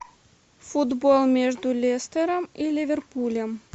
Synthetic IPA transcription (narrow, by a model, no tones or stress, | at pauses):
fud̪bolˠmʲeʐd̪ulʲest̪eɾəmilʲɪvʲerpulʲem